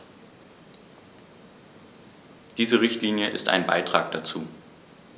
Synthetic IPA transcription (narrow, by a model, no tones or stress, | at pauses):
d̥iːzəʁɪçtliːnjəʔɪ̰sta̰ɪnba̰ɪtʁ̥aːk̚d̥at͡suː